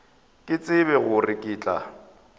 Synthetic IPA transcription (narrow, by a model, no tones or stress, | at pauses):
kʼɪt͡sʼɪbɛɣʊrɪkʼɪːt͡ɬʼa̰